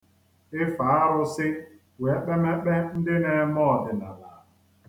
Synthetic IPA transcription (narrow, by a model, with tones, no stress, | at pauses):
ɪ˦fa˨˦a˦ɾʊ˦sɪ˦ | we˨˦k͡pe˦me˦k͡pe˦n̩˦dɪ˦ne˨˦mɔ˦˨dɪ˨na˨la˨